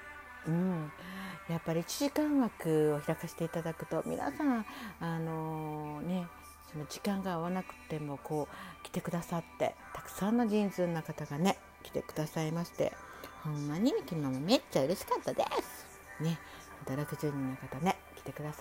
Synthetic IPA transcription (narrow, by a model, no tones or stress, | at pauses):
ɯ̟̃ɴ | japːaɾʲiːt͡ɕiʑikãɰ̃βakɯ̟o̞çiɾakaɕi̥t̪e̞it̪ad̪akɯ̟̥t̪o̞mʲḭna̰sãɰ̃ano̞ne̞ | so̞no̞ʑikãŋɡaːβanakɯ̟̥t̪ːe̞mo̞ko̞ːkʲi̥t̪e̞kɯ̟d̪asat̪ːe̞̰t̪ḁkɯ̟̥sãnːaʑĩnzɨnːakat̪aɡane̞ | kʲi̥t̪e̞̰kɯ̟d̪asaimaɕi̥t̪e̞̰ | hõmːaɲ̟imʲikʲinonomome̞t͡ɕːaɯ̟ɾe̞ɕi̥kat̪ːad̪esɨ̥ | ne̞ | at̪aɾakɯzeɲ̟ːinːakat̪ane̞ | kʲi̥t̪e̞kɯ̟d̪asa